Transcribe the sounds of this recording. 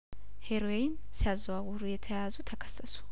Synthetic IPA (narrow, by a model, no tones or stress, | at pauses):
heɾojɪn | sɪazwawʊɾujɛt̪ʰɐjazut̪ʰɐkʰə̥sɐsu̥